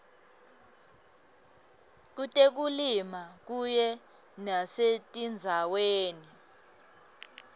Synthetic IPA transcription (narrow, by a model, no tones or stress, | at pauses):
k̬utʼek̬ulimak̬ujɛ | nasetʼind͡zʱaweːni